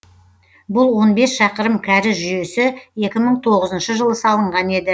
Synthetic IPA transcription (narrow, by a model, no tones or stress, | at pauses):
bʊlˠwo̞nbe̞sʃɑqəɾəmkʲʰæɾɪʒʏje̞sɪe̞kʲɪməɴt̪ʰo̞ʁəzənʃəʒəlˠəsɑlˠəɴʁɑne̞d̪ɪ